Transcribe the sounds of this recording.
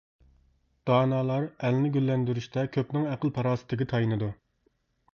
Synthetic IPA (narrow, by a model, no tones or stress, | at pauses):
d̪̥ɑːnɑːlˠɑɾælnɪɡʲylːɛnd̪yɾyʃt̪ɛkʲʰøpnɪŋæqəlˠpʰɑɾɑːsɨ̥t̪ʰɪɡʲɪt̪ʰɑjinɨd̪u